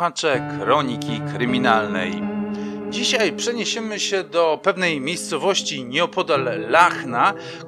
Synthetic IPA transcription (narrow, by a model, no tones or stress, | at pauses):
at͡ʂɛkɾɔɲikʲikɾɘmʲinalnɛ̰j | d͡ʑiɕajpʂɛɲeɕɛmɘɕɛd̪ɔpɛvnɛjmʲejst̪sɔvɔɕt͡ɕiɲɛɔpʰɔd̪alːaxna